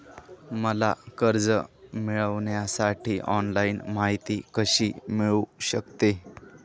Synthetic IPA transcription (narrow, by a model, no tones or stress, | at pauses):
məla̰kəɾd͡zəmiɭəʋɳjasaʈʰiːʔɔnlainmaɦit̪iːkəɕiːmiɭuɕəkt̪e